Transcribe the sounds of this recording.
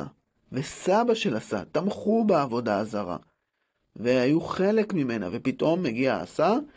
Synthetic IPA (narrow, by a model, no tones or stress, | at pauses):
a̰ | ve̞sabaʃe̞lasa̰t̪amχubeavo̞daːzaʁa̰ | veajuχe̞le̞kmime̞na̰ve̞pitʔo̞mːeɡia̰a̰sa